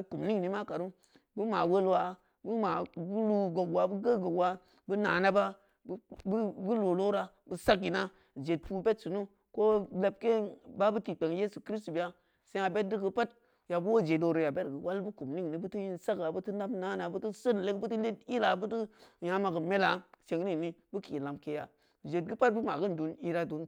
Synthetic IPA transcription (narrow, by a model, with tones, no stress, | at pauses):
ku˨mni˦ŋ˨ni˨ma˦ka˨ɾu˦ | bu˦ma˨wo˦lwa˨ | bu˦ma˨ɡu˦lu˦ɡo˨ɡwa˨bu˦ɡa˦ɡo˨kwa˨ | bu˦na̰˨na˦ba˦ | bu˦lo˨lo˦ɾa˨ | bu˦sa˦kːi˨na˦ | d͡ʒe˨t̚pu˦be˦tsu˨nu˦ | ko˦le˨p̚ke˦ba˦bu˦ti˨k͡pe˨ŋ˦je˦su˨kɾi˦stu˨bi˨ja˦ | se˦a˨be˦t̚di˦ɡə˧pa˦t̚ | ja˨bu˦wo˦˨d͡ʒe˨do˨ɾo˨ja˨be˦ɾɡə˨wa˦lbu˦ku˨mni˦ŋ˨ni˨bu˦ti˦ji˦nsa˦ɡa˨bə˦tu˦na˦mna˨˦na˨bu˦tu˦sə˦n˨le˦kbu˦ti˦e˦ti˦la˨bu˦tu˦ja˦ma˨ɡə˨me˦la˨t͡ʃe˨ŋɾi˦˨ni˦bu˦ki˨la˨mke˦ja̰˨ | d͡ʒe˨t̚ɡɨ˦pa˦t̚bu˦ma˨ɡə˦n˨du˨ni˦ɾa˦du˨n